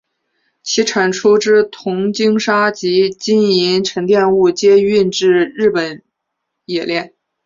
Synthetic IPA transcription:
t͡ɕʰi˧˥ʈ͡ʂʰa˨˩nʈ͡ʂʰu˥ʈ͡ʂɻ̩˥t̪ʰʊ˧˥ŋt͡ɕi˥ŋʂa˥t͡ɕi˧˥t͡ɕi˥ni˧˥nʈ͡ʂʰɤ˧˥ŋt̪jɛ˥˧nu˥˩t͡ɕjɛ˥y˥˧nʈ͡ʂɻ̩˥˧ɻɻ̩˥˩pə˨˩n | jɛ˨˩ljɛ˥˩n

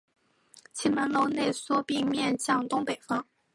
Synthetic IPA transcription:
t͡ɕʰi˧˥mə˧˥nlo˥˧ʊne˥˩ɪswɔ˥pi˥˧ŋmjɛ˥˧nɕjɑ˥˩ŋt̪ʊ˥ŋpe˨˩ɪfɑ˥ŋ

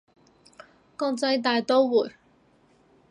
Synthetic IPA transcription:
kɔː˧ŋt͡sɐ˧jt̪̬aː˨jt̪o˥wwuː˨˩j

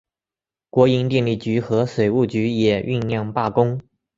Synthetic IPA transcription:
kwɔ˧˥i˧˥nt̪jɛ˥˧nli˥˩t͡ɕy˧˥xɤ˧˥swe˨˩ɪu˥˩t͡ɕy˧˥jɛ˨˩y˥˧nljɑ˥˧ŋpa˥˩kʊ˥ŋ

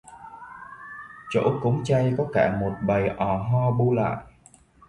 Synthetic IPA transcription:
t͡ɕo̰˧˥kʊ˨˦ŋ͡mt͡ɕa˧jkɔ˨˦kaː˧˩mo˨˩t̚ɓə˨˩jʔɔ˨˩ɦɔ˧ɓu˧la̰ː˧˨jʔ

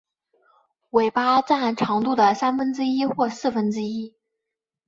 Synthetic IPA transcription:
we˨˩ɪpa˥t͡sa˥˩nʈ͡ʂʰɑ˧˥ŋt̪u˥˩d̪ə˩sa˥nfə˥nʈ͡ʂɻ̩˥i˥xwɔ˥˧sɹ̩˥˩fə˥nʈ͡ʂɻ̩˥i˥

